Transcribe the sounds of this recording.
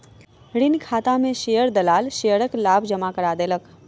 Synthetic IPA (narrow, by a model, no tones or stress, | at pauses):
ɽɪnkʰaːt̪amẽʃejəɾd̪ɐlaːlʃejəɾəklaːbʱd͡ʒəmakəɾaːd̪eːlək